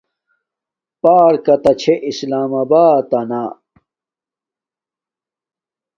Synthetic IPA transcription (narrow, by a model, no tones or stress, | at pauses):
paːɾkɐt̪ɐt͡ɕʰeʔislaːmɐbaːt̪ɐnaː